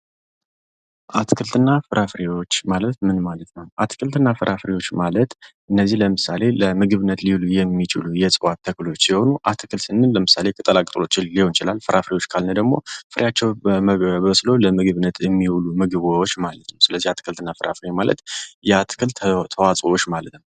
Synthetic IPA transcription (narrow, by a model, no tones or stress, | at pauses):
ʔat̪ʰɨkʰɨlt̪ʰɨnːafɨɾʔafɨɾewo̞t͡ʃːmalət̪mɨnmalət̪nəwʔat̪ʰɨ̥kʰɨlt̪ʰɨnːafɨɾʔafɨɾewo̞t͡ʃːmalət̪ʔɨnːəzːihləmɨsale̞ləmɨɡɨβɨnːət̪lilujɛmːit͡ʃɪlujɛsʼɨwat̪ʰːəkɨlo̞t͡ʃːsiho̞nuʔat̪ʰɨkʰɨlsɨnːɨnləmɨsale̞kʼɨt̪ʼəlakʼt̪ʼlo̞t͡ʃːɪnliho̞nt͡ʃɪlalfɨɾʔafɾewo̞t͡ʃːkʰalnəd̪əɡmo̞̰fɨɾjat͡ʃːɛwəbslo̞ləmɨɡɨβɨnːət̪ʰjɛmːiwulumɨɡɨβowot͡ʃːmalət̪nəwsɨləzːihat̪ʰɨ̥kʰɨlt̪ʰɨnːafɨɾa̰fɨɾemalə̰t̪jɛat̪ʰɨ̥kʰɨlt̪t̪ʰəwat͡sʼwot͡ʃːmalət̪nəw